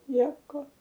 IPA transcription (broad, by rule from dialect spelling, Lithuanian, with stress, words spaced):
ˈnʲiɛkoː